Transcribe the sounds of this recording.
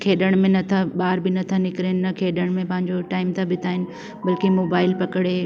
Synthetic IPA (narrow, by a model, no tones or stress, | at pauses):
kʰeːɗəɽ̃mẽnɐt̪ʰaɓaːɾbɪnɐt̪ʰanɪkɪɾennɐkʰeːɗəɽ̃mẽpɐ̃ɦɪ̃ɲd͡ʑoʈaːɪmt̪ʰabɪt̪ʰaːɦɪnɪ̆ | bɐlkimoːbaːɪlpɐkɽe